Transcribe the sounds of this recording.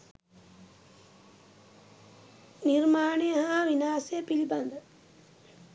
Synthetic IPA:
nirmaːɳejɐɦaʋinaːsepiʎbɐnd̪ʱɐ

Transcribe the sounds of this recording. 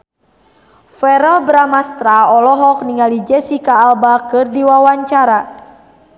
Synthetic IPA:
fɛɾɛlbɾamast̪ɾaɔlɔɦɔk̚niŋalid͡ʒɛsikaːlbakɨrdiwawaɲt͡ʃaɾa

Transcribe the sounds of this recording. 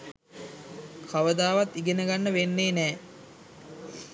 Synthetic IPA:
kʰaʋəd̪aːʋat̪iɡenəɡanːəʋenːeːnɛː

